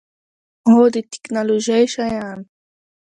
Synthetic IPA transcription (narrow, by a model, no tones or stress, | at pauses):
od̪it̪i̥knoloʒajʃajan